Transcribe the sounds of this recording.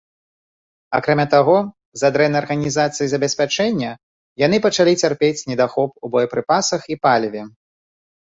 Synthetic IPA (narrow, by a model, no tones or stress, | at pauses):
a̰kɾamʲat̪aɣɔ | zad̪ɾɛnɐrɣɐnʲizat̪sɨjizɐbʲɛsʲpʲat͡ʂɛnʲːɐ | janɨpɐt͡ʂalʲit͡sʲarpʲet͡sʲnʲɛd̪axɔp̚ubɔjɐpɾɨpasɐxipalʲvʲɛ